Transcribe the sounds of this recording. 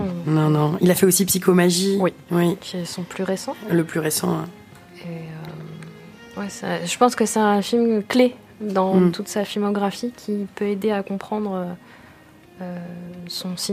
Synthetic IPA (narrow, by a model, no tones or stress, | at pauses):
nɔ̃nɔ̃ilafɛosipsikʰomaʒiwiwikʲʰiɛsɔ̃plyʁesɑ̃ləplyʁesɑ̰̃ɛ̰ | eø | wɛsaʒəpɑ̃skəsɛɛ̃filmkle | d̪ɑ̃t̪ʰut̪safilmɔɡʁafikʲʰipøed̪eakɔ̃pχɑ̃d̪ʁø | øsɔ̃si